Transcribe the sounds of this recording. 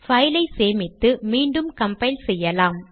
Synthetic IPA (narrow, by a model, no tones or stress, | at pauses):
fɐjlɐɪseːmɪt̪ːɯmiːɳɖɯmkɐmpɐɪlsɛjːɐlaːm